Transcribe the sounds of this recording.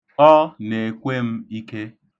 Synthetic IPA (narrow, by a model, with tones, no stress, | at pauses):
ɔ˦ne˨kʷe˦m̩˦i˦ke˦